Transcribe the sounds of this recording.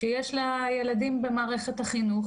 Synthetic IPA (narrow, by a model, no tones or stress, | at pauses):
ʃejeʃlajeladimbe̞maːʁe̞χet̪haχinu